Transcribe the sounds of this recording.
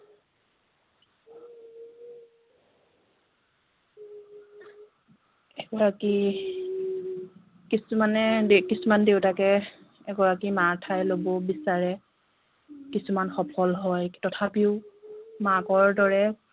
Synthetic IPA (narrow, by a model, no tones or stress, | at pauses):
ɛɡɔɹaki | kisumanɛdkisumandewtakɛ | ɛɡɔɹakimatʰajlobɔbisaɹɛ | kisumanxɔpʰɔlɦɔjtɔtʰapiʊmakɔɹdɔɹɛ